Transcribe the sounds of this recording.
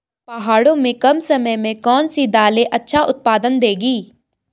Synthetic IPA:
pɐɦaːɽõmẽkɐmsɐməjmẽkɔːnsid̪aːleʔɐtːʃʰaʔʊt̪̚paːd̪ənd̪eːɡiː

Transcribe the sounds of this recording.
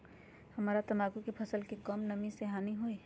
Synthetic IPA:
hɐmaːɾat̪ɐmaːɡũkepʰɐsəlkekɔmnɐmĩseɦaːniɦoːeː

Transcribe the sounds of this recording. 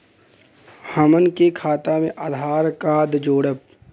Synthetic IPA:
həmənkekʰaːt̪amẽʔad̪ʱaːɾkaːd̪d͡ʒoːɽəp̚

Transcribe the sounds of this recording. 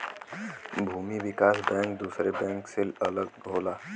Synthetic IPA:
bʱuːmiʋɪkaːsbɛ̃ːŋkd̪uːsɾebɛ̃ːŋksɪlɐləɡ̚ɡʱoːlaː

